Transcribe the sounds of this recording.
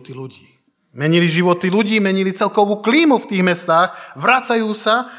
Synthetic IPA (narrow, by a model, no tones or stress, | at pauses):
t̪iluɟiː | mɛɲiliʒiʋɔt̪iluɟiːmɛɲilit͡sɛlkɔʋuːkliːmuft̪iːɣmɛst̪aːxʋɾat͡sajuːsa